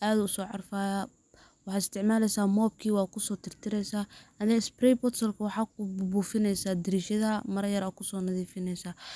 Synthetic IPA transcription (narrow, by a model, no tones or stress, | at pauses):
ʔaːðʊʊsɔːʕɑrfaːja | wɑħɑːɪst̪ʰɪʕmaːlɛjsaːmɔːb̚kʰiːwɑːkʰʊsɔːt̪ʰɪrt̪ʰɪɾɛjsaːɐnɪɪsprɛjbɔt̪sɐlkʰɐwɑħɑːkʰʊbbuːfɪnɛjsaːd̪ɪɾiːʃɐðɐmɐɾɐjɐɾɐkʰʊsɔːnɐðiːfɪnɛjsaː